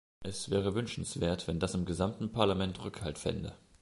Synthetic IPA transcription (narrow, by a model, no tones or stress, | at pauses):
ʔɛsv̥ɛːʁ̞əvʏnʃn̩sv̥eːɐtv̥ɛndasɪmɡəzamtn̩pʰaɐlamɛntʁʏkhaltfɛ̰ndə̰